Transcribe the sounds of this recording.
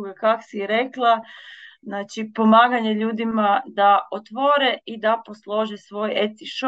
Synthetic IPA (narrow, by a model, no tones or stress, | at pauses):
ɡekako̥siɾeklˠaznaːt͡ʃipo̞maːɡaɲeʎuːd̪imad̪aot̪ʋoːɾeid̪apo̞slˠo̞ʒesʋo̞ːjet̪iʃo